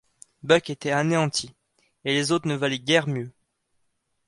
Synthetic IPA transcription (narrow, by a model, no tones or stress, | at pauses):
bœket̪ɛaneɑ̃t̪ʰi | elezot̪χnəvalɛɡʲɛʁmjø